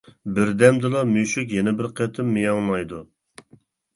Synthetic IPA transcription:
bɪɾd̪ɛmd̪ɨlˠɑmyʃykʲjɛnɪbɪɾqʰet̪ʰɪmːɨjɑŋlˠɑjd̪u

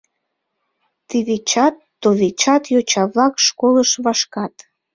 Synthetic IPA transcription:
t̪iβet͡ɕɑt̪ːoβet͡ɕɑt̪jot͡ɕɑβlɑkʃkoləʃβɑʃkɑt̪

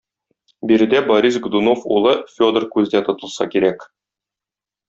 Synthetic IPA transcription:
biɾɘ̆d̪æboɾʲisɡd̪unofṵlˠɤfʲo̞d̪ərkʉzd̪æt̪ŏt̪ɤ̆lˠsɑ̰kiɾæk

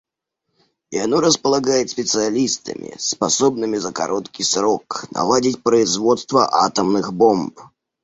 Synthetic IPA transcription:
ianɔɾəspəlˠaɡajɪt̪sʲpʲɪt̪sɨalʲist̪ə̰mʲɪ̰spɐsɔbnɨmʲɪzɐka̰ɾʔɔt̪kʲisɾɔknɐ̰lˠadʲit͡sʲpɾəizvɔt̪st̪vɐʔa̰t̪əmnɨxbɔmp

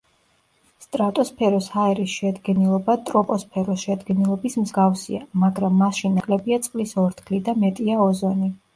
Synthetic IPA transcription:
st̪ʼɾat̪ʼɔspʰɛɾɔshaɛɾisʃɛd̪ɡɛnilˠɔbat̪ʼɾɔpʼɔspʰɛɾɔsʃɛd̪ɡɛnilˠɔbismzɡafsiamaɡɾamːasʃinːakʼlɛbiat̪sʼqʼlisɔɾt̪ʰɡʰlid̪amɛt̪ʼiaɔzɔni

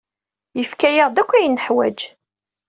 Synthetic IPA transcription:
jəfkæjəʁd̪ækʷːæjənːəħwæ̰d͡ʒ

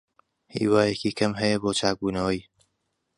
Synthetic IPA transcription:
hḭːwaːjekiːkʰɐmɦɐjɐboːt͡ʃʰaːk̚buːnɐwɐj

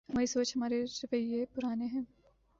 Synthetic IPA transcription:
ɦɐmaːɾisoːt͡ʃɦɐmaːɾeɾɪʋəiepʊɾaːneɦɛ̃ː

